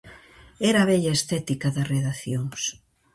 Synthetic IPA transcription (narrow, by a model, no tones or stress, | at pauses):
ɛɾaβɛʎaɐest̪ɛt̪ikɐðɐreðaθjoŋs